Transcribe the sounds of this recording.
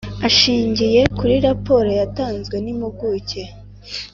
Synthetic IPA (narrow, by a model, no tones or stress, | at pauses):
aʃiːɲɟije̞kuɾiɾapo̞ːɾo̞jataːnzɡwe̞nimuɡuːce̞